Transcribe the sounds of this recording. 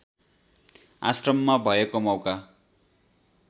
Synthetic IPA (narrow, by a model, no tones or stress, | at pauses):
a̰srʌmːabʱʌekomʌwka